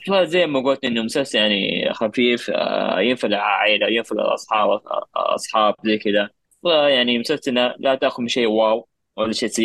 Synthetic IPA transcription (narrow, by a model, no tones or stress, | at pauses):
xlaːszajːɪmːaɡʊlt̪niʔɪnːʊmsasjaʕnḭxafiːfjɪnfalʕaʕeːlawjɪnfal̰lʔɑ̰sˤħɑːbʔɑ̰sˤħɑːb̚zajkɪd̪a | wajaʕnimʊsafsɪnalat̪aʔxʊmiʃeːwaːw | walːaʃeːsa